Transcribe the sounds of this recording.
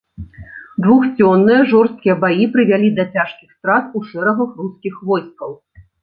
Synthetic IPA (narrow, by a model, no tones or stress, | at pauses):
d̪vuxt͡sʲɔnːɨjɐʐɔrst̪̚kʲijɐbajipɾɨvʲalʲid̪ɐt͡sʲaʂkʲixst̪ɾat̪uʂɛɾɐɣɐxruskʲixvɔjskɐw